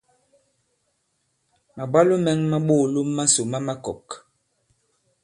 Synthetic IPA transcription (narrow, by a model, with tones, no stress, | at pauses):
ma˨bwa˦lu˦mɛ˦ŋma˦ɓo˦˨lu˦mːa˦so˨ma˦ma˦kɔ˨k